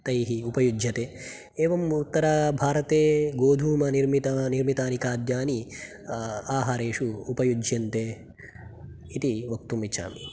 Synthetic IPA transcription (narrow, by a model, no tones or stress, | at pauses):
t̪ɐjɦiupɐjud͡ʒʱjɐt̪eː | eːʋɐmut̪ːɐɾabʱaːɾɐt̪eːɡoːd̪ʱuːmɐniɾmit̪ɐniɾmit̪aːnikaːd̪jaːni | aːɦaːɾeːʃuːpɐjud͡ʒʱjɐnt̪eː | t̪iʋɐk̚t̪umit͡ʃʰa̰ːmi